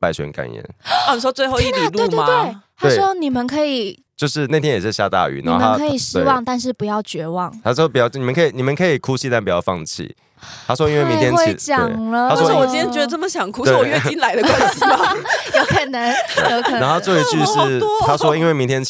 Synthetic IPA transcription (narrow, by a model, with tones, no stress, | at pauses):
pa˥˧ɪɕɛ̰˧˦nka̰˨˩njɛ̰˦n˥˧˩ni˨˩ʂwɔ˥t͡swe˥˧ɪxo˥˧ʊi˧li˨lu˥˩˧ma˨e˥˩ɪt̪ʰae˥ɪʂwɔ˥ni˨˩mə˨nkʰɤ˧˥i˨˩ | t͡ɕjo˥˧ʊʂɻ̩˥˧ne˥˩ɪt̪ʰjɛ˥jɛ˨˩ʂ̩˥˧˩ɕja̰˥˧t̪a̰˥˧y̰˨˩nã̰˨˧˦xo̰˥˨ə˧a˥kʰɤ˧˥i˨˩ʂɻ̩e˥˧wɑ˥˧ŋt̪a˥˧nʂ̬ɻ̩˥˩pu˨˦jɑ˥˩ʊt͡ɕɥɛ˧˥wɑ˥˨˩ŋʰa˥˩pi˨˩jni˨mə˨˦kʰi˨˩ni˨˩mə˨˦nkʰɤ˧˥i˨˩kʰu˦t͡ɕʰi˥˧t̪a˥˩npu˨˩jɑ˥˧ʊfɑ̰˥˧ŋt͡ɕʰḭ˥˩ | t̪ʰa˥˩swɔ˥˦i˥nwe˥˩mĩ˧t̪jɛ˥we˥t͡ɕjɑ˨e˨˩ŋlə˧a˥wɔ˥˩wɔ˨˩i˥nʰjɛ˥t͡ɕɥɛ˧˦d̪ə˧˩ʈ͡ʂə˥˩mə˩ɕjɑ˨˩ŋkʰu˥t̪we˥˨ɥɛ˥˩i˥nla˧˥ɪd̪ə˧kwa˦nsi˥˧ma˩jo˧˥ʊkʰə˨˩nə˧˦ŋjo˧ʊkə˨˩na˧˦ŋxo˥˧t͡swɔ˥˩i˧t͡ɕy˥˧ʂɻ̩˥˩˥t̪ʰa˥ʂwɔ˦˥i˥nwe˥˩ɪmi˧˦nt̪ʰjɛ˥n